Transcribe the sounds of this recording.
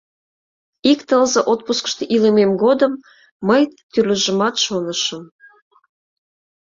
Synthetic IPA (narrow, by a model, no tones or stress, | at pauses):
ikt̪əlzə̆ʔot̪̚puskə̥̆ʃt̪eʔilememɡod̪əmː | əjt̪yrlə̆ʒə̆mɑt̪ʃonəʃə̆m